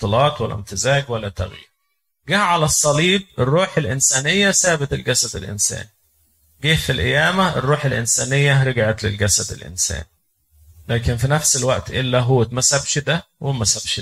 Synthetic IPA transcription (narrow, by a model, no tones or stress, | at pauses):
t̪ːɨlɑːt̪ˤwælːæ̰mt̪ɪzæːɡwælːæt̪ːæ̰ɣjḭːɾ | ɡæʕalæsˤːɑliːb̚erːuːħelʔɪnsæːnejːæsæːbet̪elɡæsæd̪ḛlʔḛnsæ̰ːni | ɡiːfilʔɪjæːmæerːuːħelʔɪnsæːnejːæɾɑɡʕɑt̪lḛlɡæsæd̪ḛlʔɪ̰nsæ̰ːni | læːkenfinæfselwæʔt̪ʔelːæɦuːt̪mæsæbʃd̪æ | wemæsæbʃ